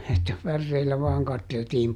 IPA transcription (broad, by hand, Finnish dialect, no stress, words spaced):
etːæ pærːeilːæ ʋɑːŋ kɑtːeltiːm